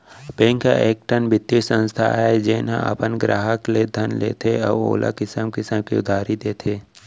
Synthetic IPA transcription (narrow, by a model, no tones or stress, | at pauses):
bẽːŋka̰ʔeːk̚ʈənbɪt̪ːisə̃nst̪ʰa̰d͡ʒeːnã̰ʔɐ̰pənɡɾa̰ːɦəkled̪ʱənlḛːt̪ʰeɔ̰ːo̰ːla̰kɪsəmkɪsəmkḭʊd̪ʱaːɾid̪eːt̪ʰeː